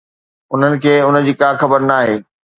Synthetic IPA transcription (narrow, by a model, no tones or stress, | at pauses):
ʊn̤ənɪ̆kʰeːʊnə̆d͡ʑiːkaːxɐbəɾnaːɦeː